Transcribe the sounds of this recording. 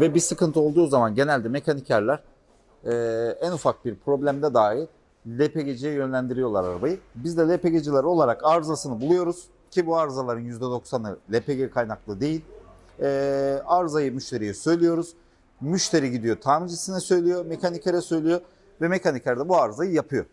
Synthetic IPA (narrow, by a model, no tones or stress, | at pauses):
vɛbisɯkʰɯnt̪ʰɯo̞lˠd̪uːzamanɟe̞nælʲd̪ɛme̞cʰanicʰʲæɾlʲæɾ̥ | ɛːænufak̚biɾpʰɾo̞blʲæmd̪ɛd̪aːjiɾ | lʲepe̞ɟed͡ʒijɛjø̞nlʲænd̪iɾijo̞lˠaɾaɾabajɯbizd̪ɛlʲepe̞ɟed͡ʒilʲæɾo̞lˠaɾakaɾzasɯnɯbulˠujo̞ɾuz̥ | cʰibuaɾzalˠaɾɯnjyzd̪ɛd̪o̞ksanɯlʲepe̞ɟekʰajnaklˠɯd̪e̞jilʲː | aɾzajɯmyʃt̪ʰe̞ɾijisø̞jlʲijo̞ɾuz̥ | myʃt̪ʰe̞ɾiɟid̪ijo̞t̪ʰaːmid͡ʒisinɛsø̞jlʲijo̞me̞cʰanicʰeɾɛsø̞jlʲijo̞ | vɛme̞cʰaniclʲæɾd̪ɛbuaɾzajɯjapʰɯjo̰